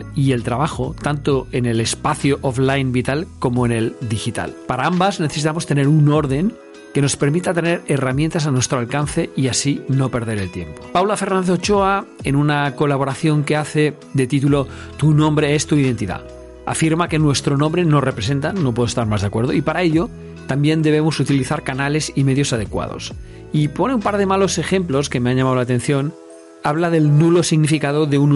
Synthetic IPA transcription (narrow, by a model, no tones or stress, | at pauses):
ie̞lt̪ɾaβaxot̪ant̪oe̞nele̞spaθjoʔoflajnbit̪alko̞moene̞ld̪ixit̪a̰lpaɾaambazneθesit̪amost̪e̞ne̞ɾuno̞ɾðe̞ŋ | ke̞no̞spe̞ɾmit̪at̪ene̞ɾeramjent̪as̬anwe̞st̪ɾoalkanθe̞iasino̞pe̞ɾð̞e̞ɾelt̪je̞mpo̥pawlafe̞rnanot͡ʃoaenunako̞laβ̞oɾaθjo̞ŋke̞aθe̞ | ðet̪it̪ulo̞ | t̪unõ̞mbɾeest̪uiðe̞nt̪iða̰ | a̰fiɾmake̞nwe̞st̪ɾo̞nõmbɾe̞no̞repɾese̞nt̪ano̞pweðost̪aɾmazðakwe̞ɾð̞o̰ipaɾae̞ʎo̞ | t̪ambje̞nd̪e̞β̞e̞mosut̪iliθaɾkanale̞sime̞ðjo̞sað̞e̞kwa̰ð̞o̰s | ipo̞neũmpaɾð̞e̞malo̞se̞xe̞mplo̞ske̞meaɲʎamaðlat̪e̞n̟θjo̞n | aβ̞laðe̞lnulo̞siɣnifikað̞oðe̞un